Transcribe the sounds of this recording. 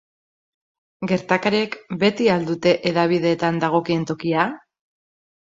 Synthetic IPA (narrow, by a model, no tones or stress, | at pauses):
ɡe̞ɾt̪akaɾiekbe̞t̪iald̪ut̪e̞ʔeðaβ̞iðe̞ːt̪and̪aɣ̞o̞kie̞nt̪o̞kia